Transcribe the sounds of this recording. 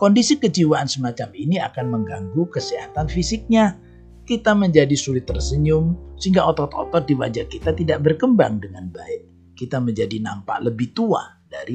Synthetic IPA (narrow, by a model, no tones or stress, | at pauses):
kɔndisikəd͡ʒiwaansəmat͡ʃaminia̰kanməŋɡaŋɡukəsiɦat̪anfisɪk̚ɲa | kit̪aməɲd͡ʒadisulɪt̪ːərsəɲʊmsəiŋɡaɔt̪ɔt̪ɔ̰t̪ɔt̪̚diwa̰d͡ʒakit̪at̪idaʔbərkəmba̰ŋdəŋanbaɪʔ̚ | kit̪aməɲd͡ʒadina̰mpa̰ʔləbɪht̪ua̰daɾi